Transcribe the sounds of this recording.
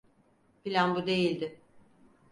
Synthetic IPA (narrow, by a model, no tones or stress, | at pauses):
filʲanbud̪e̞jilʲd̪ɪ